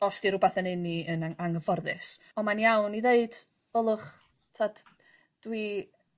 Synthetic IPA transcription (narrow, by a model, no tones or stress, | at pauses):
ɔstiɾʊbaθənɪniənaaŋəvɔrðɪsɔmanjawniðeɨd̥ | ɔlˠʊχ | tʰad̥ | d̥wi